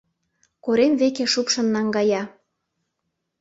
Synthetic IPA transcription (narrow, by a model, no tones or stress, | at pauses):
koɾemβekeʃupʃə̆nːɑŋɡɑjɑ